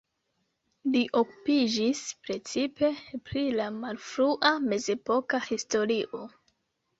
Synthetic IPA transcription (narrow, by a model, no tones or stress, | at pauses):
liʔo̞ku̥pid͡ʒispɾe̞t͡sipe̞pɾilamalfɾuʔame̞ze̞po̞kahisto̞ɾiʔo̞